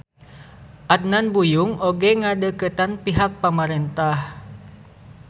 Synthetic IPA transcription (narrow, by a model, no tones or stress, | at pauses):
ʔat̪̚nanbujuŋoɡɛŋadəkət̪anpiɦak̚pamaɾɛnt̪ah